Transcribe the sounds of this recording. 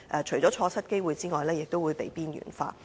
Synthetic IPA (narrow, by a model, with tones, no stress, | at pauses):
ʔɛː˨˧t͡ʃʰɵ˨˩ɥt͡ʃɔː˨˥t͡ʃʰɔː˧t͡sʰɐ˥t̚ke˥jwuː˨˧jt͡siː˥ŋɔː˨jlɛː˥jɪ˨k̚t̪o˥wuː˨˧jpe˨˥jpiː˥njy̰ː˨˩nfa̰ː˧˥